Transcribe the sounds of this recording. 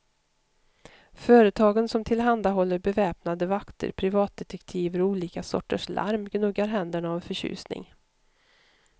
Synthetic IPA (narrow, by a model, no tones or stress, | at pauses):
fœːɾət̪ʰɑːɡənsɔmt̪ʰɪlɦand̪aɦɔlːəɾbɛvɛːpnad̪əvakt̪ʰə̰ɾpʰɾɪvɑːt̪̚d̪ɛt̪ɛkt̪ʰiːvəɾɔuːliːkasɔ̰ʈːə̰ʂla̰ɾmɡnɵɡːaɾɦɛnd̪əɳaːvfœɕʉ̰ːsnɪ̰ŋ